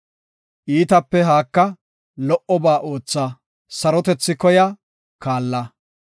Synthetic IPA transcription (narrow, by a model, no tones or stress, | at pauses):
ʔiːt̪ɐpːɛɦaːkːɐ | lɔʔɔbaːʔo̞ːt͡sːɐ | sɐɾɔt̪ɛt͡sːɪkɔjɐ | kaːlːɐ